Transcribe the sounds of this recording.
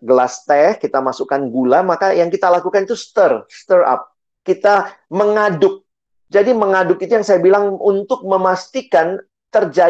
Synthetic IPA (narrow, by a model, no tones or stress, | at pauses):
ɡəlast̪ɛhkit̪amasukanɡulamakajaŋkit̪alakukanit̪ust̪ərst̪əra̰p̚ | kit̪aməŋadʊk̚ | d͡ʒadiməŋadʊkit̪ujaŋsajabilaŋunt̪ʊk̚məmast̪ikan | t̪ərd͡ʒa